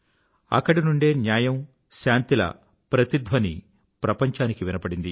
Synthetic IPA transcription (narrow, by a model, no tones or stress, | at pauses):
ɐ̰kːɐɽinuɳɖe̞ːnjaːjɐm | ʃaːnt̪ilɐ̰ | pɾɐt̪id̪ʱʋɐni | pɾɐpɐɲt͡ʃaːnikiʋinɐbɐɽind̪i